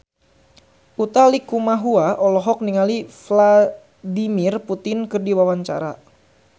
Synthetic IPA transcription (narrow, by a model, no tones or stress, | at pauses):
ʔut̪alikumaɦuaʔɔlɔɦɔk̚niŋalifla | dimɪrput̪ɪnkɨrdiwawaɲt͡ʃa̰ɾa